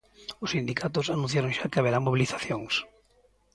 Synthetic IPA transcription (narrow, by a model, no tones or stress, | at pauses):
ʊsind̪ikʰat̪ʊsanũ̟θ̬jaɾoŋʃakɪaβeɾaŋmoβiliθḁθjoŋs